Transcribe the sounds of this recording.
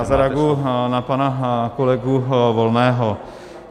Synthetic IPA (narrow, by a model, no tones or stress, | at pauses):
azaɾaɡunapanakolɛɡuʋɔlnɛːɦɔ